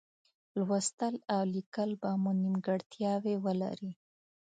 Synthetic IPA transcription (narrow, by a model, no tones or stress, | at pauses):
lwast̪əlawlikəlbamunimɡaɽt̪jɑwewəla̰ɾi